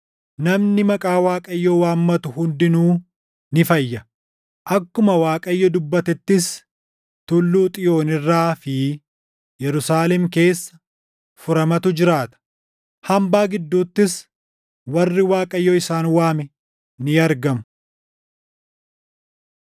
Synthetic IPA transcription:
nɐmnɪmɐkʼaːwaːkʼɐjːowaːmːɐt̪ʊhʊnd̪ɪnuː | nɪfɐjːɐ | ʔɐkːʊmɐwaːkʼɐjːɔd̪ʊbːɐt̪ɛt̪ːɪs | t̪ʊlːuːt̪ʼɪjo̞ːnɪrːaːfɪ | jɛɾʊsaːlɛmke̞ːsːɐ̥ | fʊɾɐmɐt̪ʊd͡ʒɪɾaːt̪ɐ̥ | hɐmbaːɡɪd̪ːuːt̪ːɪs | wɐrːɪwaːkʼɐjːoːɪsaːnwaːmɛ | nɪɐɾɡɐmʊ

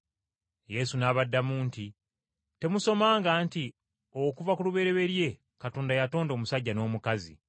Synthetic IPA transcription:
je̞sunaːβadːamuːnti | te̞muso̞maːŋɡaːnti | o̞kuvakuluβe̞ɾe̞βe̞ɾje̞ | katoːndajato̞ːndo̞ːmusaɟːano̞ːmukazḭ

